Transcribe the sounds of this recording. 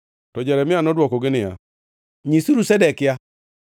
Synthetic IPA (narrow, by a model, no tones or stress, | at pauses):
tɔd͡ʒɛɾɛmianɔdwɔkoɡenija̰ | ɲisiɾusɛdɛka